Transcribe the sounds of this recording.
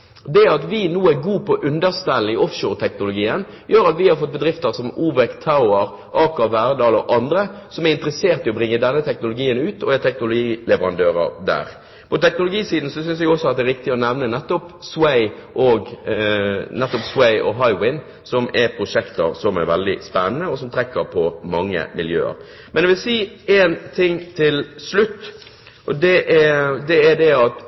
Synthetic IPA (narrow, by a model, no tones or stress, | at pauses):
d̪ɛɑt̪ʋɪnuːæɾɡuːpʰɔʔʉnd̪əʁst̪ælːɪʔɔfʃoːʁɾt̪ʰɛknʊlʊɡiːən | jøːɾɑt̪ʋɪhɑɾfɔt̪̚bəd̪ɾɪft̪əɾsɔmuːʋəkt̪ʰaʊəɾ | ʔɑːkɑʋæːɾd̪ɑːlɔ̰ʔɑnd̪ɾəsɔmæɾɪnt̪ɾəseːʁt̪ɪɔbɾɪŋːəd̪ɛnːət̪ʰɛknʊlʊɡiːənʉːt̪ʰɔæt̪ʰɛknʊlʊɡiːlɛʋəɾɑ̰nd̪øːɾə̰ɾd̪æ̰ːɾ | pʰɔt̪ɛknʊlʊɡiːsiːd̪n̩sɔsʏnsɛɡɔsːɔɑt̪̚ɛɾʋɪk̚t̪ɪɔnɛʋnənɛt̪ːɔpswæɪʔɔɡ | nɛt̪ːɔpswæɪʔɔ̰ɦɑɪwɪn | sɔmʔɛɾpʰɾʊʂɛkt̪əɾsɔmæ̰ɾʋɛld̪ɪ̰spɛnːənəɔsɔmt̪ʰɾɛkːəɾpʰɔmɑŋːə̰mɪljø̰ːə̰ɾ | mɛnɛʋɪlsiːeːnt̪ʰɪŋːt̪ʰɪlslʉt̪ː | ʔɔd̪ɛʔɛd̪ɛæɾd̪ɛɑt̪